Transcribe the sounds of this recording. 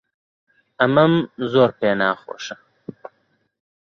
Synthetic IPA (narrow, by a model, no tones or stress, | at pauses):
ɐmɐmzoːɾpeːnaːχo̰ːʃɐ